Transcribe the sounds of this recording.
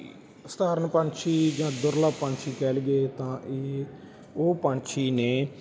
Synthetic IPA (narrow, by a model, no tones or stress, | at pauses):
sət̪aːɾənpãːɳt͡ʃʰiːd͡ʒãːd̪ʊɾlaːpãːɳt͡ʃʰiːkɛːlɡeːt̪ãːʔeː | oːpãːɳt͡ʃʰiːneː